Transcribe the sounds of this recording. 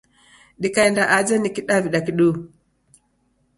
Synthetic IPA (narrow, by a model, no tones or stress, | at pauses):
ɗikaɛndaʔad͡ʒɛnikiɗaviɗakiɗu